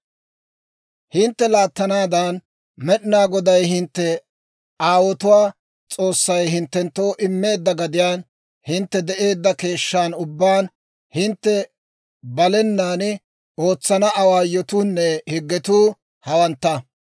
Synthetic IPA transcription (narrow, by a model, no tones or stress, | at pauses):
hɪnt̪ːɛlaːt̪ːɐnaːd̪ɐn | mɛɗnaːɡɔd̪ɐjhɪnt̪ːɛ | aːwɔt̪ʊwaː | t͡sʼo̞ːsːɐjɦɪnt̪ːɛnt̪ːo̞ːʔɪmːe̞ːd̪ːɐɡɐd̪ɪjaːn | hɪnt̪ːɛd̪ɛʔe̞ːd̪ːɐke̞ːʃːaːnʊbːaːn | hɪnt̪ːɛ | bɐlɛnːaːn | o̞ːt͡sːɐnɐʔɐwaːjɔt̪uːnːɛhɪɡːɛt̪uː | hɐwɐnt̪ːɐ